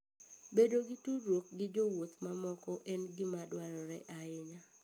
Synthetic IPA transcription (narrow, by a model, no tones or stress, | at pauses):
bedoɡɪtuɾwok̚ɡɪd͡ʒowot̪mamɔkɔʔɛnɡɪmadwaɾɔɾɛʔaɪɲa